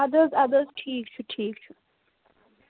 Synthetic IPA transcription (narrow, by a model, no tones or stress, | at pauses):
ɐd̪əzɐd̪əzʈʰiːk̚t͡ʃʰuʈʰiːk̚t͡ʃʰu